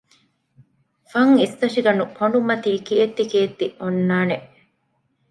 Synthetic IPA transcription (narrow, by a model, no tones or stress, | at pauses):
fɐŋist̪ɐʂiɡɐnupoɳɖumɐt̪iːkiet̪ːikeːt̪ːiʔonːaːneʔ